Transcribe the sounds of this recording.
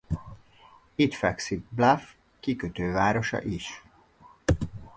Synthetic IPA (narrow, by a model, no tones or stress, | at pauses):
it̪fɛksiɡ̚blaf | kikøt̪øːvaːɾo̞ʃɒ̰ʔiʃ